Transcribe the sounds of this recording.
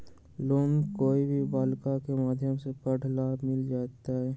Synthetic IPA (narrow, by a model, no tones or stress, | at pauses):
loːmkoːibʱiʋaːlkakemaːd̪ʱjəmsepəɽ̤laːbmɪld͡ʒaːt̪aɦɛː